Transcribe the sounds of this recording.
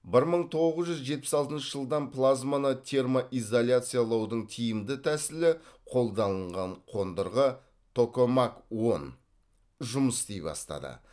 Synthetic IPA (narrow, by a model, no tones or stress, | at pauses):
bɪɾməɴt̪ʰo̞ʁəzʒʏzʒe̞t̪̚pɪ̥sɑlˠt̪ənʃəʒəlˠd̪ɑnpʰlˠazmanət̪ʲʰe̞rmoʔizolʲjat̪sɨjalˠɑwd̪əɴt̪ʰijɪmd̪ɪt̪ʰæsɪlɪqʰo̞lˠd̪ɑnəɴʁɑɴqʰo̞nd̪əɾʁə | t̪ʰo̞ko̞makwo̞n | ʒʊməst̪ejbɑ̰st̪ɑ̰d̪ə̰